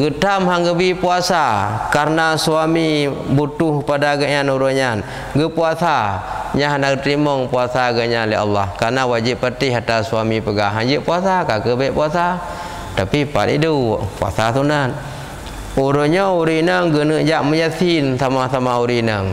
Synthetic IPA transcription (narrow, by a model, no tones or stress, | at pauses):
ɡət̪amɦaŋɡəbipuasakaɾənasuamibut̪uhkəpadaɡəʔɲanuɾoɲan | ɡəpuasaɲaɦanaɡət̪ɾimɔŋpuasaɡəɲanlia̰lːahkaɾnawad͡ʒipːərt̪iɦat̪asuamipəɡaɦaŋd͡ʒəʔpuasakakəbɛʔpuasa | t̪apipa̰tḭdṵpua̰sasunan | uɾəɲɔuɾinəŋɡənəʔd͡ʒaʔməjat̪insamasamauɾinəŋ